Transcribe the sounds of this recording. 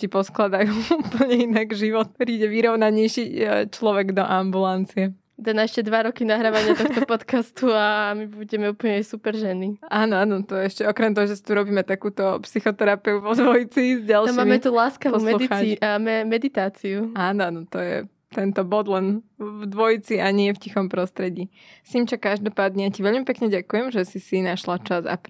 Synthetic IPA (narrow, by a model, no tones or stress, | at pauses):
cipɔsklad̪ajuuːpl̩ɲɛinaɡʒiʋɔt̪̚pɾiːɟɛʋiɾɔʊnaɲɛjʃit͡ʃlɔʋɛɡd̪ɔʔambulant͡siɛ | d̪anaɛʃcɛd̪ʋaɾɔkinaɦɾaːʋaɲɪt̪ɔxt̪ɔpɔt̪kast̪uamibuɟɛmɛuːpl̩ɲɛjsupɛɾʒɛnːiaːnɔanɔt̪ɔjɛɛʃcɛɔkɾɛmt̪ɔɦɔʒɛsi̥t̪uɾɔbiːmɛt̪akuːt̪ɔpsixɔt̪ɛɾapiupɔd̪ʋɔjit͡sizɟalˠmaːmmɛt̪ulaːskaʋpɔumɛxamɛd̪it̪aːt͡siuaːnɔanɔt̪ɔjɛ̰ | t̪ɛnt̪ɔbɔd̪lɛnvd̪ʋɔjit͡siaɲɪɛfcixɔmpɾɔst̪ɾɛɟiː | simt͡ʃakaʒd̪ɔpaːd̪ɲɛjaciʋɛʎmipɛkɲɛɟakujɛmʒɛsisinaʃlat͡ʃaza̰p